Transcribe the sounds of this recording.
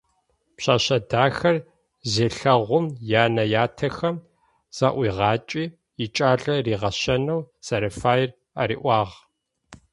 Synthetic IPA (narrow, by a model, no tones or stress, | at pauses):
pɕaːɕɐdaːxɐr | zeːɬɐʁʷʊmjaːnɐjaːtʰɐxɐm | z̥aːʔʷiːʁɑːt͡ʃʼiː | ɪt͡ʃʼaːɮɐriːʁɐɕɐnɐwsɐɾɐfaːjr | aɾḭːʔʷɑːʁ